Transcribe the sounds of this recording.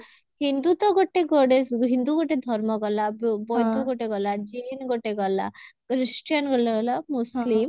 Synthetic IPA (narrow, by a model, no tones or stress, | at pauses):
hind̪ut̪ɔɡoʈeɡoɽesɦind̪uɡoʈed̪ʱɔɾmɔɡɔlabbɔjd̪uɡoʈeɡɔlad͡ʒinɡoʈeɡɔla̰kɾisʈijanɡɔlɔlamuslim